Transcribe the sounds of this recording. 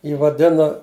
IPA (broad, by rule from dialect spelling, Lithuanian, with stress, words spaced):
ˈjiː ʋɐˈdʲɪnoː